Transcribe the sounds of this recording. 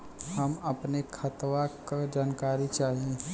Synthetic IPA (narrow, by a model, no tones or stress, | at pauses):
hɐmɐpnekʰɐt̪ʋakad͡ʒaːnkaːɾit͡ʃaːɦiẽ